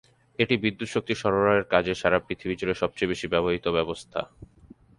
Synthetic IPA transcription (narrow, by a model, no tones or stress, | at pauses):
eʈibid̪ːut̪ʃok̚t̪iʃɔɾoɾaeɾkad͡ʑeʃaɾapɾit̪ʰibid͡ʑoɾeʃɔb̚t͡ɕojbeʃibɛboɦit̪obɛbost̪ʰa̰